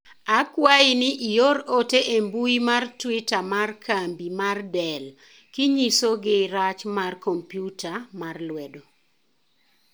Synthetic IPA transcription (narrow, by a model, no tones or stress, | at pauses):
akwaɪnɪʔijoɾoteʔembuimartwitamarkʰambimardɛl | kiɲisoɡɪɾat͡ʃmarkompjutʰamarlwɛdo